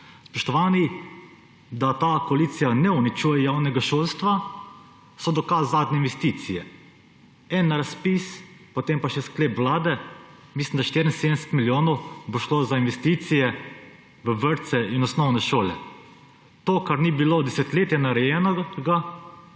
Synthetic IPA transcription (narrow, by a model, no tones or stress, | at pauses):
spɔʃt̪ɔʋaːni | d̪at̪aːkoaliːt̪sijanɛunit͡ʃuːjɛjawnɛɡaʃoːlst̪ʋa | sɔd̪ɔkasːaːd̪nʲɛinʋɛst̪iːt̪sijɛ | ɛnːɾaspispot̪empaʃɛskleːpʋlaːd̪ɛ | mislimd̪aʃt̪iɾin̩seːd̪nsɛ̥t̪miljoːnɔwboʃlozainʋɛst̪iːt̪sijɛ | ʋəʋəɾt̪sɛinɔsnɔwnɛʃoːlɛ̰ | t̪oːkaɾnibilod̪ɛsɛt̪leːt̪janaɾɛjɛnɔɡa